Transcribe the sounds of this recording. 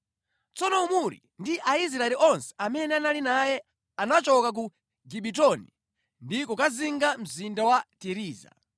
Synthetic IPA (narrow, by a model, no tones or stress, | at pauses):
t͡sɔnɔumuɾḭ | ndiʔais̬ɾaɛliʔɔnsɛ̥amɛnɛanalinajɛ | anat͡ʃɔkak̬u | ɡiɓitɔnḭ | ndikɔkaziŋɡam̩zindawatiɾiːza̰